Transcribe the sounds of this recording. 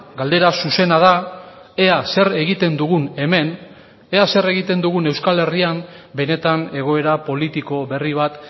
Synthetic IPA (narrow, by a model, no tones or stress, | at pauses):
ɡald̪e̞ɾasuse̞nað̞ae̞ase̞ɾe̞ɣ̞it̪e̞nd̪uɣ̞une̞me̞n | e̞ase̞ɾe̞ɣit̪e̞nd̪uɣune̞wskale̞riambe̞ne̞t̪ane̞ɣ̞o̞e̞ɾapo̞lit̪iko̞βe̞riβ̞at̪